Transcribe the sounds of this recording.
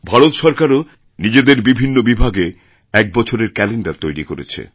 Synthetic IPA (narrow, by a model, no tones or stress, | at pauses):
bʱaɾot̪ʃɔɾkaɾo | nid͡ʑed̪eɾbibʱinːobibʱaɡe | ɛk̚bɔt͡ɕʰoɾeɾkɛleɳɖaɾt̪ojɾikoɾḛt͡ɕʰḛ